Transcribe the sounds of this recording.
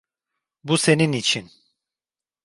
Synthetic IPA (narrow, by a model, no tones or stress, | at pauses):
buse̞ninit͡ʃʰin